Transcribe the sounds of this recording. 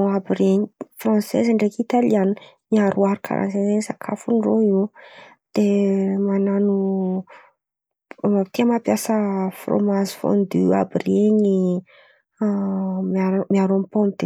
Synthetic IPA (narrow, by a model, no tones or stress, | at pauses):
oabiɾeɲifrɔ̃sɛ̰zaɳɖ͡ʐekit̪alianimiaɾʔuaɾukʰa̰ɾʔa̰nsezeɲsakʰa̰funroiw | d̪̥emananu | mat̪iəmapjasəfro̰mazi̥fo̰nd̪ya̰birieɲi | maɾmiaɾompombid̪̥e